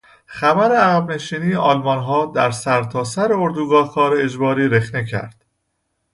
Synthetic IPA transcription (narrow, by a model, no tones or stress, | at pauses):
xæbæɾeæɣæbne̞ʃiːniːjeʔɒːlmɒnɦɒːd̪æɾsæɾt̪ʰɒːsæɾeoɾd̪uːɡɒːhkʰɒːɾeed͡ʒbɒːɾiːɾe̞xne̞cʰæ̰ɾd̪̥